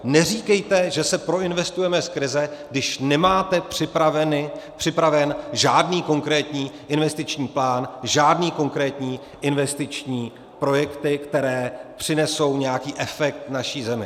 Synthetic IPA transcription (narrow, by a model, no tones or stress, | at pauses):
nɛriːkɛjt̪ɛʒɛsɛpɾo̞ɪnvɛst̪ujɛmɛskɾɪzɛɡdɪʃnɛmaːt̪ɛpr̥ɪpɾavɛnɪpr̥ɪpɾavɛnʒaːdniːko̞ŋkɾɛːt̪ɲiːʔɪnvɛst̪ɪt͡ʃɲiːplaːnʒaːdniːko̞ŋkɾɛːt̪ɲiː | ʔɪnvɛst̪ɪt͡ʃɲiː | pɾo̞jɛkt̪ɪkt̪ɛɾɛːpr̥ɪnɛso̞wɲɛjakiːʔɛfɛk̚t̪naʃiːzɛmɪ